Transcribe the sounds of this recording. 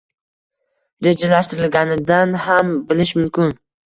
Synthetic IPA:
ɾe̞d͡ʒalaʃt̪ɪɾɪlɡʲanɪd̪anhambɪlɪʃmʊmkʲʰɪn

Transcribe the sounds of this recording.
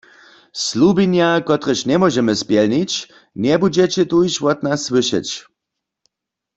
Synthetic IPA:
slubinjakɔt̪ʁəʃnʲɛmɔʒɛməspjɛlnit͡ɕ | nɛbud͡ʑɛt͡ɕɛt̪ujʃwɔt̪naswɨʃɛ̰t͡ɕ

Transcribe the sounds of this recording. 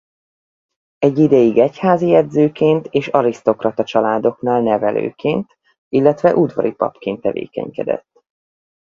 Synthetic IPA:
ɛɟːid̪ɛjiɡɛchaːzijɛd̪zøːkeːnt̪eːʃɒɾist̪o̞krɒt̪ɒt͡ʃɒlaːd̪o̞knaːlnɛvɛlø̰ːkeːnt̪ | ilːɛt̪ʋɛʔud̪vɒ̰ɾipɒ̰pkeːnt̪ːɛvḛːkɛ̰ɲkɛ̰d̪ɛ̰t̪ː

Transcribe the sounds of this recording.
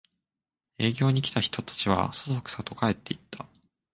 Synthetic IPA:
e̞ːɡʲo̞ːɲ̟ikʲi̥t̪açi̥t̪o̞t̪ḁt͡ɕiβ̞a̰sosokɯ̟̥sat̪o̞kae̞t̪ːe̞it̪ːa

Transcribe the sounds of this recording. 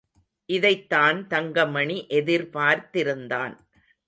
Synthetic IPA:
ʔɪðɐɪt̪ːaːnt̪ɐŋɡɐmɐɳiʔɛðɪɾpaːɾt̪ɪɾɯnd̪a̰ːn

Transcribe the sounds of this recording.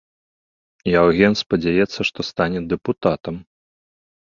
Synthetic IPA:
jawɣʲɛnspɐd͡zʲajɛt̪sːɐʂt̪ɔst̪anʲɛd̪ɛput̪at̪ɐm

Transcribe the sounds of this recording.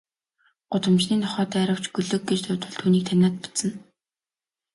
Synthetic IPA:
ɢ̥ʊt̪ə̆mt͡ɕniːnʰɔχɔːt̪æːɾə̆w̥t͡ɕɡɵɮɵ̆k̚ɡet͡ɕt̪ʊt̪wɘ̆ɮt̪ʰuːniːk̚t̪ʰæmʲaːt̪̚pʊ̥t͡sə̆n

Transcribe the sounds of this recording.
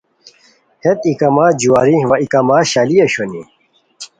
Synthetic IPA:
het̪ikɐmaːd͡ʑuaːɾiʋɐikɐmaːɕaːliɐɕoni

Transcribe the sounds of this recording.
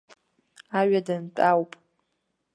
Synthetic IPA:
aɥadɨntʼawpʼ

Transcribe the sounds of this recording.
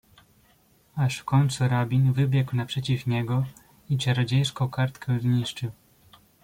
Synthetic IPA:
aʂfkɔɲʲt̪suɾabʲinvɘbʲjɛkwnapʂɛt͡ɕifɲɛɡɔ | it͡ɕɛɾɔd͡ʑejʂkɔ̃kaɾt̪kɛzɲiʂt͡ʂɘw

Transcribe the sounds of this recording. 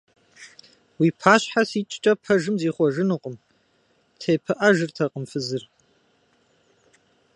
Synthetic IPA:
wiːpʰaːɕħasiːt͡ʃʼt͡ʃʼɐpʰɐʒɨmziːχʷɔʒɨnɨqʷʼəm | tʰejpʰɨʔɐʒɨrtʰɐqʼəmfɨzɨr

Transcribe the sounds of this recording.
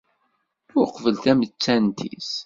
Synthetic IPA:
ʊɾqvəlt̪æmət͡sːænt̪ḭs

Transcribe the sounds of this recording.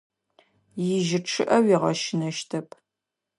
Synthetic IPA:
jɪʒɪʈ͡ʂʰɨʔɐwiʁɐʃɪnɐʃtʰɐpʰ

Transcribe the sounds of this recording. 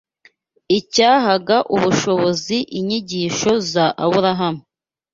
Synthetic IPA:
icaːɦaɡaʔuβuʃo̞βo̞ziʔiɲiɟiːʃo̞zaʔaβuɾaɦamu

